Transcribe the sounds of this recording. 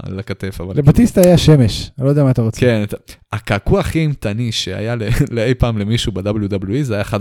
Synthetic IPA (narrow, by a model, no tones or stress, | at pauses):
lekat̪efavallebat̪ist̪aːjaʃeme̞ʃlo̞jd̪ɛamaːt̪aʁot͡skenat̪aakakuaχimt̪aniʃea̰jaleleejpaːmlemiʃubed̪abljud̪abljuizajaχad